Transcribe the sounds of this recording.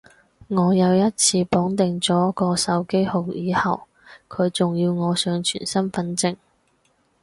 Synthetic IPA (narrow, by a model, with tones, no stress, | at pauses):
ŋɔː˨˧jɐ˨˧wjɐ˥t̚t͡sʰiː˧pɔː˨˥ŋt̪ɪ˨ŋt͡sɔː˨˥kɔː˧sɐ˨˥wke˥jho˨˩wjiː˨˧hɐ˨w | kʰɵ˨˧ɥt͡sʊ˨ŋjiː˧wŋɔː˨˧sœː˨˧ŋt͡ʃʰy̰ː˨˩nsɐ˥nfɐ˧˥nt͡sɪ˨ŋ